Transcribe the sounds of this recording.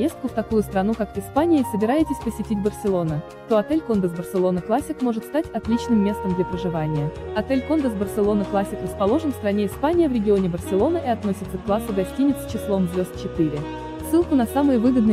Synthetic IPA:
pjest̪kʊft̪ɐkujʊst̪ɾɐnukakɪspanʲɪɪsəbʲɪɾajɪtʲɪsʲpəsʲɪtʲitʲbərsʲɪlˠo̞nə | t̪o̞ɐt̪elʲko̞nd̪əsbərsʲɪlˠo̞nəklˠasʲɪkmo̞ʐɨt̪st̪atʲɐt̪lʲit͡ɕnɨmʲːe̞st̪əmd̪lʲəpɾəʐɨvanʲɪjəɐt̪ɛlʲko̞nd̪əsbərsʲɪlˠo̞nəklˠasʲɪkrəspɐlˠo̞ʐənfst̪ɾɐnʲeɪspanʲɪjəvɾʲɪɡʲɪonʲɪbərsʲɪlˠo̞nəʔiɐt̪no̞sʲɪt̪səkklˠasɨɡɐsʲtʲinʲɪt̪st͡ɕɪslˠo̞mzvʲo̞st̪̚t͡ɕɪt̪ɨɾʲɪ | sːɨlˠkʊnɐsamɨjəvɨɡəd̪nɨ

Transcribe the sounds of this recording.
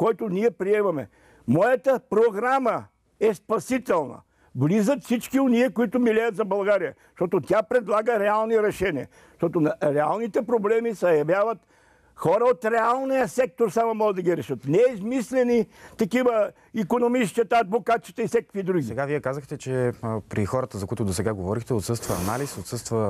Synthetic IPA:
kɔjt̪ʊniɛpɾiɛmɐmɛ̰ | mɔjət̪əpɾoɡɾamə | ɛspɐsit̪ɛlˠnɐ̰ | vlizət̪fsit͡ʃkʲioniəkoit̪ʊmilʲɛjət̪zɐbɐlˠɡaɾiə | ʃt̪ɔt̪ot̪ʲapɾɛd̪lˠaɡəɾɛalˠniɾɛʃɛniə̰ | ʃt̪ɔt̪onɾɛa̰lˠnit̪ɛpɾoblɛmisɐjɐvʲjavət̪ | xɔɾəot̪ɾɛalˠnijəsɛk̚t̪oɾsamomɔɡəd̪ɐɡʲiɾɛʃət̪nɛizmislɛnit̪ɐkivə | ikonomit͡ʃt͡ʃ̪ət̪aːd̪bokat̪t͡ʃit̪əifsʲɛkə̥kvid̪ɾuɡʲsiɛɡaviɛkazəxt̪ɛt͡ʃɛpɾixɔɾət̪əzɐkoʊit̪ʊd̪osɛɡaɡovɔɾixt̪ɛot̪sɤst̪vɐɐ̰nalisot̪sɤst̪və

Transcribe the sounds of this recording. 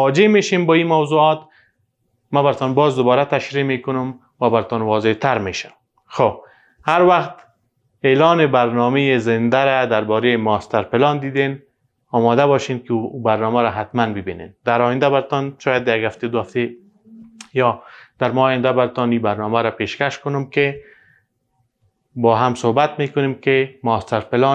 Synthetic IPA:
wɒd͡ʒemeʃembɔimawzuɒt̪ | mabaɾɪt̪ɔnbɒzd̪ʊbɒɾat̪aʃɾimekʊnʊm | wabaɾɪt̪ɔnwɒzet̪aɾmeʃa | xob | haɾwaxt̪ | elɔnɪbaɾnɔmejɪzɪnd̪aɾad̪aɾbɔɾemɔst̪aɾpɪlɑnd̪id̪en | ɒmɔd̪abɔʃenkɪbaɾnɔmaɾaɦat̪manbɪbinḛnd̪̥aɾɔjɪnd̪abaɾt̪ɔnʃɔjad̪jaɡhaft̪ed̪ʊhaft̪e | jɔd̪̥aɾmɔːjɪnd̪abaɾɪt̪ɔnibaɾnɔmaɾapeʃkaʃkʊnʊmkɪ | bɔɦamsohbat̪mekʊnemkɪmɔst̪aɾpɪlɔ

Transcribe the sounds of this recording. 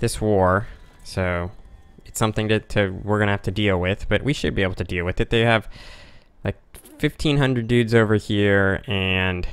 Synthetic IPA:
ðɪswɔɹsoʊ | ɨtsʌ̃mθɪ̃ŋtɨtʰɨwɪɹɡʌ̃ñɨhæftɨdilˠwɪð̥b̥ʌʔ̚wʔiʃɨ̰d̚bieɪbl̩ˠtʰɨdilˠwɨðɨt̪̚ðeɪɨv̥ | laɪk̚fɪftʰĩnɦʌ̃ndɹɨdʉdzoʊvə˞hiɹɨ̃n

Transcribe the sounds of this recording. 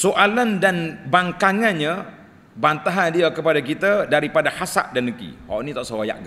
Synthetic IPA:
soʔalandanbaŋkaŋanɲa | bant̪aɦandiakəpadak̬it̪adaɾipadahasa̰ʔdanəkḭhɔ̰nit̪ɔʔsəwaja̰ʔɡ

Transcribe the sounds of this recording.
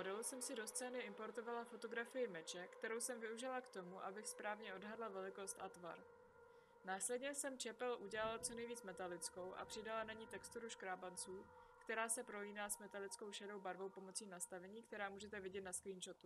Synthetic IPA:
modɛlusɛmsɪdo̞st͡sɛːnɪʔɪmpo̞ɾt̪o̞valafo̞t̪o̞ɡɾafɪjɪmɛt͡ʃɛkt̪ɛɾo̞wsɛmvɪuʒɪlakt̪o̞muʔabɪxspɾaːvɲɛʔo̞dɦadlavɛlɪko̞st̪ʔat̪va̰ɾ | naːslɛdɲɛsɛmt͡ʃɛpɛlʔuɟɛlalt͡sonɛjviːt͡smɛt̪alɪt͡sko̞wʔa̰pr̥ɪdalanaɲiːt̪ɛkst̪uɾuʃkɾaːbant͡suːkt̪ɛɾaːsɛpɾo̞liːnaːsmɛt̪alɪt͡sko̞wʃɛdo̞wbaɾvo̞wpo̞mo̞t͡siːnast̪avɛɲiːk̚t̪ɛɾaːmuːʒɛt̪ɛvɪɟɛt̪̚naskliːnʃo̞t̪u

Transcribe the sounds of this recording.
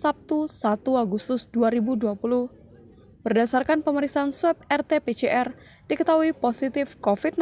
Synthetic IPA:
sap̚t̪usat̪uaɡust̪ʊsduaɾibuduapulʊh | b̥ərdasarkanpəməɾiksaansuɛp̚ɛrt̪epet͡ʃeʔɛr | dikət̪aɦuiposit̪ɪfkofit̪̚n

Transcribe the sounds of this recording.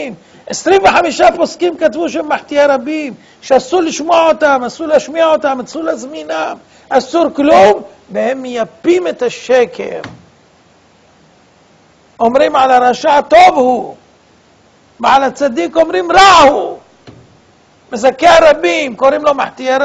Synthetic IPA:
m | ʕesɾinveħamiʃaposkimkat̪vuʃemːaħt̪ijaɾˤɑbim | ʃasulɪʃmoʕot̪amasulaʃmiʕot̪amasulazmina | ʔasuɾklum | behemːjapːimet̪aʃːekʰḛɾ | ʔomɾimʕalaɾˤɑʃaʕt̪ovhu | bʕalat͡sːad̪ikʕomɾimɾaʔhu | mɪzakːeʕaɾˤɑbːiːmkoɾimlomaħt̪ija

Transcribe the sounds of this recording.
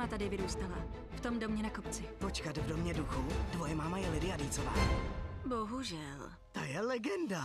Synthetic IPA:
at̪adɪvɪɾuːst̪ala | ft̪omdomɲɛnakopt͡sɪpot͡ʃkat̪vdomɲɛduxud̥vojɛmamajɛlɪdɪadiːt͡sova̰ːboɦuʒɛl | t̪ajɛlɛɡɛnda

